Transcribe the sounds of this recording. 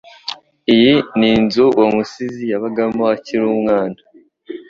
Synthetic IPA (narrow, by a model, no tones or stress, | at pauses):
ijininzuwʔamusizijaβaɡamoaciɾumŋaːnda